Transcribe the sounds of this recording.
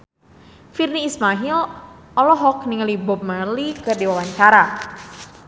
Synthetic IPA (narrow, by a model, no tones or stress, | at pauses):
firniːsmaɦil | ɔlɔɦɔk̚niŋəlibɔp̚məlikɨrdiwawaɲt͡ʃaɾa